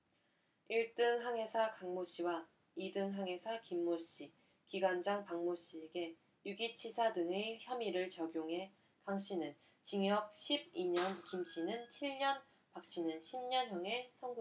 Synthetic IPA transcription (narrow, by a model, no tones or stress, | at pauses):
iɭt͈ɯŋɦaŋɦe̞sʰakaŋmoɕ͈iwa | idɯŋɦaŋɦe̞sʰakimːoɕ͈i | kiɡwand͡ʑaŋpaŋmoɕ͈ieɡe̞ | juɡit͡ɕʰisʰadɯŋeçjʌmiɾɯɭt͡ɕʌɡjoŋɦe̞ | kaŋɕ͈inɯn | t͡ɕiŋjʌk̚ɕʰib̚iɲʌnkimɕ͈ʰinɯnt͡ɕʰiɭɲʌn | pak̚ɕ͈inɯnɕʰimɲʌnɦjʌŋe̞sʰʌŋɡo